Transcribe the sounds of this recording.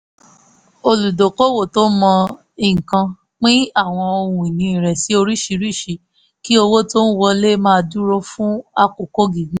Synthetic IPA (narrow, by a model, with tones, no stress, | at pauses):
o˧lu˨do˨ko˦wo˦˨to˦mɔ̃˧ | i˦˨ŋ̩˨kã˧ | k͡pĩ˦a˦˨w̃ɔ̃˧o˧hũ˧i˨nĩ˧ĩ˨ɾɛ˨si˨˦o˧ɾi˦˨ʃi˧ɾi˦˨ʃi˧ | ki˦o˧wo˦to˦n̩˦wɔ˧le˦mãː˦˧du˦ɾo˦fũ˦a˧ko˨ko˦ɡi˨ɡĩ˦